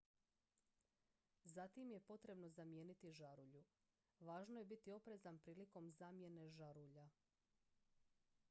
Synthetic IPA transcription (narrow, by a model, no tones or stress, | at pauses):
zat̪imje̞po̞t̪ɾe̞bno̞zamje̞ːnit̪iʒaɾuʎu | ʋaːʒnoje̞bit̪io̞pɾe̞zanpɾiːliko̞mzaːmje̞ne̞ʒaɾuʎa